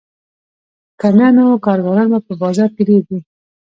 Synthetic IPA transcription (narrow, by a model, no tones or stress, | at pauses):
kananokɑɾɡɑɾɑnbapəbɑzɑɾkiɾed̪i